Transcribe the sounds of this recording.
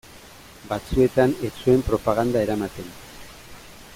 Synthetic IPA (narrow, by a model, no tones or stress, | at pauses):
bat͡sue̞t̪ane̞t͡sue̞mpɾo̞paɣ̞and̪ae̞ɾamat̪e̞n